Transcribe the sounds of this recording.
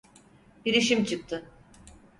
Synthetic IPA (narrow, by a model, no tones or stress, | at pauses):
biɾiʃimt͡ʃʰɯk̚t̪ʰɯ